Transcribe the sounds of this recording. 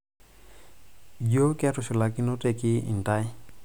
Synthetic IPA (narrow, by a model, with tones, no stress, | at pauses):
jo˦kɛ˦tʊ˨sʊ˨la˨kɪ˦nɔ˦te˨kɪ˦ɪ̰˨n˨ta˦j